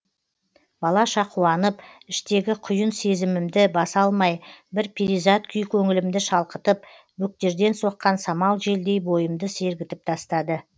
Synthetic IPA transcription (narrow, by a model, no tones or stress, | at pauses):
b̥ɑlˠɑʃɑqʰuɑnəpɪʃt̪e̞ɡʲɪqʰʊjənse̞zɪmɪmd̪ɪbɑsɑlˠmɑjbɪɾpʰiɾijzat̪̚kʲʰʏjkʲʰɵŋɪlɪmd̪ɪʃɑlˠqət̪əp | bɵk̚t̪e̞ɾd̪e̞nso̞qːɑnsɑmɑlˠʒe̞ld̪e̞jbo̞jəmd̪əse̞ɾɡʲɪt̪ɪp̚t̪ʰɑst̪ɑd̪ə